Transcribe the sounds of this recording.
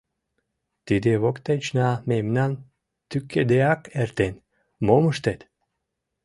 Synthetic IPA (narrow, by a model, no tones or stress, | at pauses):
t̪id̪evokt̪et͡ʃnamemnan | t̪ykʰːed̪eakeɾt̪en | moməʃt̪et̪